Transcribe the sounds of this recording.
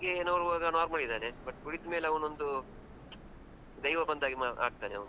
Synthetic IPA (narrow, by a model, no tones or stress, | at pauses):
ɡeeːnɐːʋɾuʋaːɡɐnaːɾmɐɭid̪aːnebɐʈːɡuɽit̪meːleɐʋɐnond̪u | d̪ɐjʋɐbɐnd̪aːɡimaa̰ːɽ̚t̪aːneɐ̰ʋnu